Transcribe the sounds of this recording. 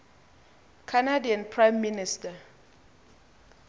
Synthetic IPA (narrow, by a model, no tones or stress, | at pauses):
kʰanadiãnpʰɹajmːinista